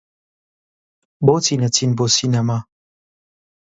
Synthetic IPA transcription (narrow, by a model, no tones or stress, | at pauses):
bot͡sinatinbosinama